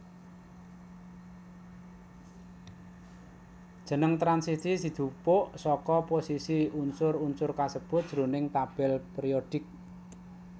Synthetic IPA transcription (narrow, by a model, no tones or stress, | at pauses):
d̥ʒ̥ə̤nəŋt̪ɾansisisid̪̥ṳpʊʔsɔkɔposisiunsʊrunsʊrkasəb̥ʊ̤t̪̚d̥ʒ̥ɾonɪŋt̪ab̥ɛlpeɾioɖ̥ɪk̚